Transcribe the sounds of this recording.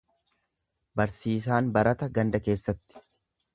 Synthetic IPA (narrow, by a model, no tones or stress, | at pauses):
bɐɾsiːs̬aːnbɐɾɐt̪ɐɡɐnd̪ɐke̞ːsːɐt̪ːɪ̥